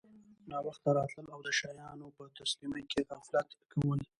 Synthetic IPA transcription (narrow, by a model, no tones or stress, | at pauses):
nɑwaxt̪aɾɑt̪ləlawd̪əʃɑjɑnopət̪aslimekeɣaflat̪kʰawəl